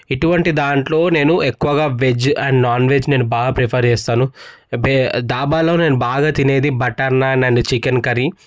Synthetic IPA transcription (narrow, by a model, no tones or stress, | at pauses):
iʈuʋɐɳʈid̪aːɳʈlo̞ːne̞ːnuekːuʋɐɡaːʋed͡ʒɐɳɖnaːnʋe̞ːd͡ʒne̞ːnubaːɡaːpɾepʰɐɾt͡ʃɛːst̪aːnubd̪aːbaːlo̞ːne̞ːnubaːɡaːt̪ine̞ːd̪ibɐʈːɐɾnaːnɐnit͡ʃikɐnkɐɾi